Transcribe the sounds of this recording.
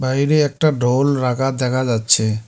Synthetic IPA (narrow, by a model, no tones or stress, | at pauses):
bajɾeɛk̚ʈaɖʱolɾakad̪ɛkʰad͡ʒatːt͡ʃʰe